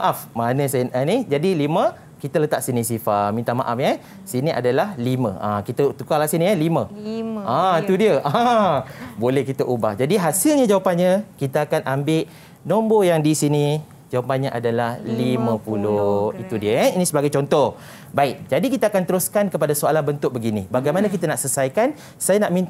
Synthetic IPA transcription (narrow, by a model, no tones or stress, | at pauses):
maʔafmanə̃sanənid͡ʒadilimə | kit̪ələt̪aʔsinĩsifamint̪ama̰ʔafɲə | sinĩʔa̰dalahlimə̰̃ʔakit̪ət̪ukalasinialimə̃ait̪udiəʔã | bolɛhkit̪əʔubahd͡ʒadiɦasɪlɲad͡ʒawapanɲəkit̪aakanʔambɪʔ | nɔmbojaŋdisini | d͡ʒawapanɲaʔa̰dalahlimə̃puloit̪udiəinĩsəbaɡajt͡ʃɔnt̪ɔh | baɪk̚d͡ʒadikit̪aakant̪əɾuskankəpadasoalanbənt̪ʊk̚bəɡinibaɡajmanəkit̪ənaʔsəsajkan | sajanaʔmĩnt̪